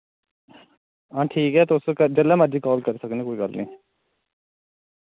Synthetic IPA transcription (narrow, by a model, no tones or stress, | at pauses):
ãːʈʰiːkɦɛːt̪ʊskəd͡ʒəlːɛːmad͡ʒiːkɔːlkəɾisəkneːkoːiːɡəlːnĩː